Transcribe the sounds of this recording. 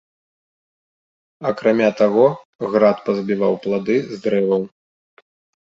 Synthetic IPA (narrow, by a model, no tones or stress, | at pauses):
ɐkɾamʲat̪aɣɔ | ɣɾat̪pɐzbʲivawplˠad̪ɨzd̪ɾɛvɐw